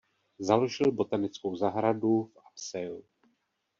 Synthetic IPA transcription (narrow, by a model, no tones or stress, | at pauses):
zaloʒɪlbo̞t̪anɪt͡skowzaɦɾadufapsɛjlu